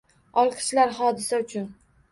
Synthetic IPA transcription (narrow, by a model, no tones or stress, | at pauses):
ɒlˠqʰɨ̥ʃlaɾhɒd̪ɪsaʊt͡ʃʰʊn